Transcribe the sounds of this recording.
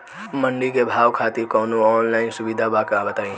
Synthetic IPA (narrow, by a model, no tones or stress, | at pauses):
məɳɖikebʱawkʰat̪iɾkɔːnoɔnlaɪnsubid̪ʱabakəɾabət̪aĩ